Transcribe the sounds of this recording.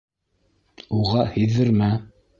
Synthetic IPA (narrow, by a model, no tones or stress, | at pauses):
uʁɑhĭðɘ̆ɾmæ